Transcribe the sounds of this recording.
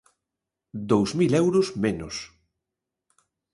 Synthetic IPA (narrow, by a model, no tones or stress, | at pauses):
d̪owzmilɛwɾʊzmenos